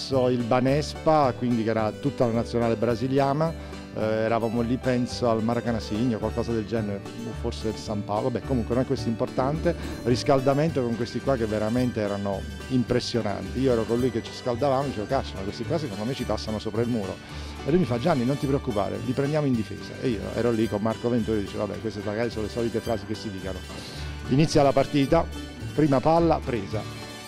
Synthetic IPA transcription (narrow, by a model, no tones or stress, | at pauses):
soilbanɛspakwind̪ikɛːɾat̪ut̪ːalanat̪sːjonaːlebɾaziljaːna | ɛɾavaːmolipɛnsoalmaɾakanasiɲːokwalkɔːzad̪eld͡ʒɛneɾe | oforsed̪elsampawlobːɛkːomuŋkwenonɛkːwest̪import̪ant̪eriskald̪ament̪okoŋkwest̪ikwakːevːeɾament̪eɛːɾano | impɾesːjona̰nt̪iiːoɛɾokolːujket͡ʃːi̥skald̪avaːmod̪it͡ʃeːvokat͡ʃːamakwest̪ekwas̬ekond̪omet͡ʃit̪asːanosoːpɾailmuːɾo̰ | ḛlujmifad͡ʒːanːinont̪ipɾeokːupa̰ːɾḛlipɾend̪jaːmoind̪ifḛːza̰ʔḛiːo̰ɛ̰ɾolikomːarkovent̪uːɾed̪iːt͡ʃeva̰bːɛ̰kwest̪emaɡaːɾisoːnolesɔlit̪efɾaːzikesːid̪iːkano | init̪sːjalːapart̪iːt̪a | pɾiːmapalːa̰pɾeːza